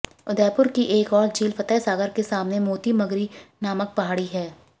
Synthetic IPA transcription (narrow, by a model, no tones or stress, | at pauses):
ʊd̪ɛːpʊɾkiʔeːkɔːɾd͡ʒiːlfɐt̪ɛsaːɡəɾkesaːmnemoːt̪imɐɡɾinaːmək̚pɐɦaːɽiɦɛː